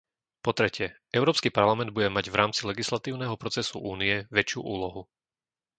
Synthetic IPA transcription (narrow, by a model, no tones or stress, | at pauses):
pɔt̪ɾɛcɪɛʔɛʊɾɔːpskipaɾlamɛnd̪̚buɟɛmaɟvɾaːmt͡silɛɡislat̪iːʊnɛɦɔpɾɔt͡sɛsuʔuːniɛʋɛt͡ʃɪṵːʔuːlɔɦu